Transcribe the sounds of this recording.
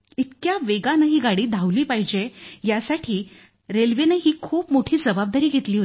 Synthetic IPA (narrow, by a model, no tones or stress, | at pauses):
it̪kjaʋeɡanəɦiːɡaɽiːd̪ʱawliːpaɦid͡ʑejasaʈʰiː | ɾelʋeneɦiːkʰuːpmoʈʰiːd͡zəbab̚d̪aɾiːɡʱet̪liːɦot̪i